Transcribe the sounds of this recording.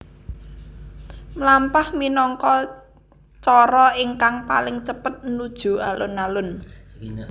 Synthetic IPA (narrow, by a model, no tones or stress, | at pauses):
mlampahminɔŋkɔ | t͡ʃɔɾɔɪŋkaŋpa̰lɪŋt͡ʃəpət̪̚nud̥ʒ̥ṳalʊnalʊn